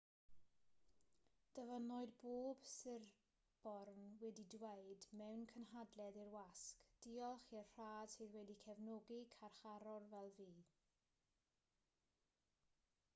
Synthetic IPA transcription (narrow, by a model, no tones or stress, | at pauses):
d̥əvənɔɨðboːb̥sɪr | b̥ɔrnwɛdidweɨdmɛwnkʰənɦadlɛðirwaskd̥iːɔlˠχiərr̥aːd̥sɨːðwɛdikʰɛvnɔɡikʰarχaɾɔrvɛlˠviː